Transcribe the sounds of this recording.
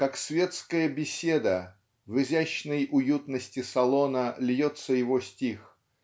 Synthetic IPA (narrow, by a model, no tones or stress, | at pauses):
kaksvʲet̪skəjəbʲɪsʲed̪ə | vɨzʲæɕnəjʊjut̪nəsʲtʲɪsɐlˠo̞nəlʲjot̪səjɪvosʲtʲix